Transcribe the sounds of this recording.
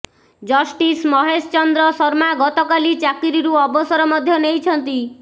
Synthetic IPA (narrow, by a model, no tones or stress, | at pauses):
d͡ʒɔsʈismɔɦest͡ʃɔnd̪ɾɔsɔɾmaɡɔt̪ɔkalit͡ʃakiɾiɾuɔbɔsɔɾɔmɔd̪ʱjɔnejt͡ʃʰɔnt̪i